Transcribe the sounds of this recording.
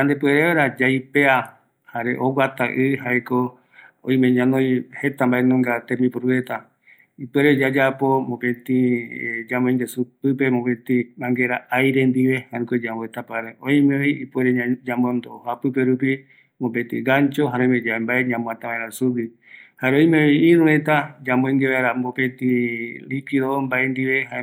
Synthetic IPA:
ɲand̪epweɾeɾad͡ʒajpea | haɾḛʔowat̪aʔɨhaeko | õj̃mẽɲãnõjhe̞t̪ambaenõŋɡat̪ẽmĩpuɾuet̪a | ipweɾed͡ʒad͡ʒapo̞mõpẽt̪ĩd͡ʒamoĩŋɡesupɨpe̞mopẽt̪ĩmãŋɡeɾaajɾend̪iβe̞haɾĩkod͡ʒamboet̪apaɾeʔõĩmeβiipweɾed͡ʒambond̪ohapɨpeɾupi | mop̬et̪ḭɡaɲt͡ʃoɦaɾomed͡ʒaembaeɲãmõãt̪aβaeɾasubi | haɾeõĩmeiĩɾũhet̪ad͡ʒãmboĩŋɡeβaeɾambopẽt̪ĩlikiðombaend̪iβe̞ɦa

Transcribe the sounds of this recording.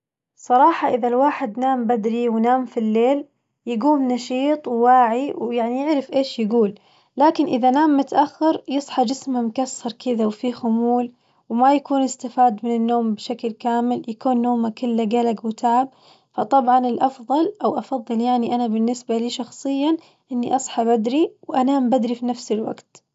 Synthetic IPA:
sˤɑɾˤɑːħɑʔɪðalwaːħɪd̪naːmbad̪ɾiwnaːmfilːeːl | jɪɡuːmnɑʃiːt̪ˤwwaːʕiwjaʕnijɪʕɾɪfʔeːʃjɪɡuːlː | aːkɪnʔɪðanaːmːʊt̪aʔaxːɑɾˤjɨsˤħɑd͡ʒɪsmamʊkasːɑɾˤkɪðawfiːxʊmuːl | wmajakuːnɪst̪afaːd̪mɪnɪnːoːmbɪʃaklkaːmɪljakuːnːoːmakʊlːaɡalaɡwɪt̪ʰaʕab̚ | fɑt̪ˤɑbʕɑnɪlʔɑfðˤɑlʔawʔɑfɑðˤːɨljaʕniʔanabɪnːɪsbaliːʃɑxsˤɨjːa | ʔɪnːiʔɑsˤħɑbad̪ɾiwʔanaːmbad̪ɾifinafsɪlwa̰ɡt̪

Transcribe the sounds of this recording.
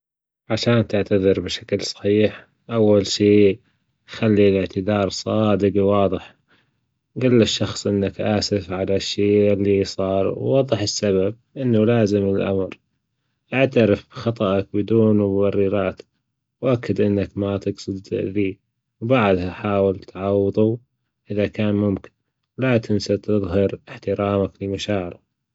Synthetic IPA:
ʕaʃaːnt̪ɪʕt̪aðɨɾbɪʃḁklsˤɑ̥ħiːħ | ʔawːalʃiː | xalːilɪʕt̪ɪðɑːɾˤsˤɑːd̪ɪɡwɑːðˤɨħ | ɡalːɪʃːɑxsˤʔɪnːakʔaːsɪfʕalaʃːeːʔɪlːisˤɑːɾˤwːɑðˤːɨħɪsːaβab̚ʔɪnːalaːzɪmɪlʔa̰mɾ | ʔaʕt̪aɾɪfbxɑt̪ˤɑʔɑk̚bɪd̪uːnmbɑrːiːɾaːt̪ | wʔakːad̪ʔɪnːakmat̪ɪɡsˤɨd̪ðiː | wbaʕd̪haħaːwɪltt̪ʕɑwːɨðˤu | ʔɪðakaːnmʊmkɪ̥n | wlat̪ʰɪnsat̪ɨðˤɦɑɾɪħt̪ɪɾaːmaklɪmaʃaːʕɪɾa

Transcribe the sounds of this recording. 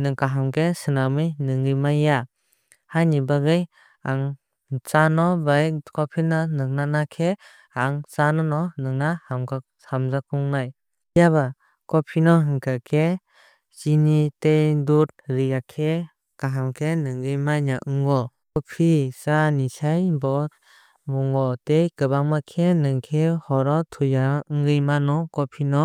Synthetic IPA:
nɯŋkaɦamkʰesɯnamɯjnɯŋɡɯjmajːa | hajnibaɡɯj | aŋ | t͡ʃanɔbajkɔpʰinɔnɯŋnanakʰe | aŋsanɔnɔnɯŋnahamka | hamzakuŋnaj | jaβa | kɔpʰinɔɦɯŋkʰakʰe | sinitejdut̚ɾijakʰe | kaɦamkʰenɯŋɡɯjmaɲaʔɯŋɡɔkɔpʰisanisajbɔt | mɔŋɡɔtejkɯbaŋmakʰenɯŋkʰehɔɾɔtʰujaɯŋɡɯjmanɔkɔpʰinɔ

